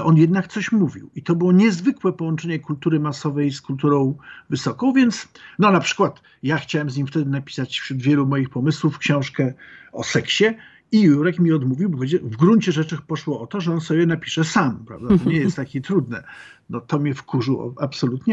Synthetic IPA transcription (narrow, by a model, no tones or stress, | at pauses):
ʔɔnjɛd̪nakt̪sɔɕmuvʲḭwit̪ɔbɘwɔɲɛzvɘkwɛpɔwɔnt͡ʂɛɲɛkult̪uɾɘmasɔvɛjskult̪uɾɔ̃w̃vɘsɔkɔ̃w̃vʲjɛnt̪snɔnapʂɘ̥kwat̪ | jaxt͡ɕawɛmzɲimft̪ɛd̪ɘnapʲi̥sat͡ɕfɕɾud̪vʲjɛlumɔjixpɔmɘswufkɕɔ̃w̃ʂkɛɔ̰sɛkɕɛ | ijuɾɛkmʲiɔd̪muvʲiwbɔɡɛd͡ʑɛvɡɾuɲt͡ɕɛʐɛt͡ʂɘxpɔʂwɔɔt̪ɔʐɛɔnsɔbʲjɛnapʲi̥ʂɛsampɾa̰vd̪at̪ɔɲɛjɛst̪ːakʲit̪ɾud̪nɛ̰ | nɔt̪ɔmʲɛfkuʐɨwɔ̰apsɔlut̪ɲɛ